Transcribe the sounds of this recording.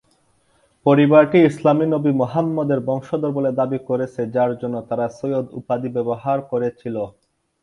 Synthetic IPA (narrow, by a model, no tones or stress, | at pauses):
poɾibaɾʈiislaminobimoɦamːɔd̪eɾbɔŋʃod̪oɾboled̪abikoɾet͡ɕʰed͡ʑaɾd͡ʑonːot̪aɾasojod̪ṵpad̪ibɛboɦaɾkoɾet͡ɕʰilo